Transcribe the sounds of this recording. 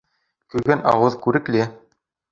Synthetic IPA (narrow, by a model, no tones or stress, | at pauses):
kʉɾɡænɑ̰wɤðkʉɾɘ̆klɘ